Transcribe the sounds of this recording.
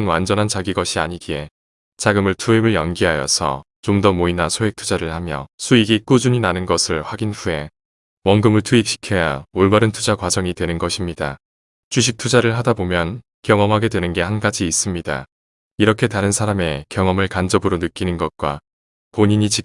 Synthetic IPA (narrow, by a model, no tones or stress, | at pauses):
nwand͡ʑʌnɦant͡ɕaɡiɡʌɕʰiaɲiɡie̞ | t͡ɕaɡɯmɯɭtʰuemɯɭjʌnɡiɦajʌ̰sʰʌ̰ | t͡ɕomdʌmoinasʰoɦe̞k̚tʰud͡ʑaɾɯɭhamjʌ̰sʰuiɡik͈ud͡ʑuɲinanɯnɡʌsʰɯɭɸwaɡinɸue̞ | wʌŋɡɯmɯɭtʰuit͡ɕi̥kʰe̞jaoɭɡaɾɯntʰud͡ʑakwad͡ʑʌŋidwe̞nɯnɡʌɕʰimɲida̰ | t͡ɕuɕ̬ʰik̚tʰud͡ʑaɾɯɭɦadabomjʌn | kjʌŋʌmɦaɡe̞dwe̞nɯnɡe̞hanɡad͡ʑiːs͈ɯmɲida̰ | iɾʌkʰe̞taɾɯnsʰaɾame̞kjʌŋʌmɯɭkand͡ʑʌbɯɾonɯk͈̚inɯnɡʌt̚k͈wa | poɲiɲit͡ɕi